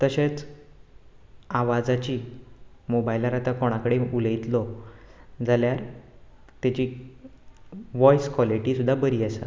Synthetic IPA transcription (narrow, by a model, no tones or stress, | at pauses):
t̪əɕet͡s | aʋad͡zat͡ɕiːmobajlaɾat̪akoɽ̃akəɽeuləjit̪lɔ | d͡zaljaɾ | t̪jat͡ɕiː | ʋɔjskʋaliʈiːsud̪ʱːabəɾiːasa̰